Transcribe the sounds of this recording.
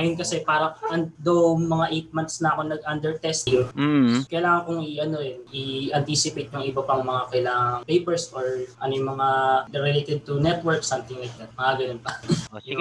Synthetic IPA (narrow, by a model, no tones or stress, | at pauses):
ɐjʊnkɐsɛpaːɾɐʔɐnd̪owmɐŋaʔejt̪̚mant̪snɐɐko̞nɐɡ̚ʔand̪ɛɹt̪ɛst̪ɪʊskɐjlaːŋɐnkʊŋɪʔɐno̞ɛnʔiʔɐnt̪iːsɪpejt̪̚jʊŋɪbɐpɐŋmɐŋakɐʔɪlaŋɐŋpejpɛɹsfoɹʔɐ̰nojʊŋmɐŋanɛɾɪlejt̪ɛd̪̚t̪ʊnɛt̪wɛɹksɐmt̪ɪŋlajk̚d̪ɐt̪̚mɐŋaɡɐnonpɐ